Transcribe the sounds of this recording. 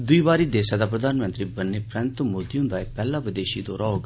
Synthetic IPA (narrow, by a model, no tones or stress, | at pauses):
d̪ʊiːβaːɾiːd̪eːsaːd̪aːpɾəd̪aːnmə̃nt̪ɾiːbənːeːpɾɛ̃nt̪moːd̪iːõnd̪aːepɛːlaːʋɪd̪eːʃiːd̪ɔːɾaːoːɡ